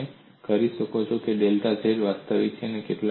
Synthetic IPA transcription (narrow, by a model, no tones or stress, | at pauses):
e | kəɾiʃəkot͡ʃʰokeɖelʈ̪ad͡ʒʱeɾʋast̪əʋit̪̚t͡ʃʰenekeʈl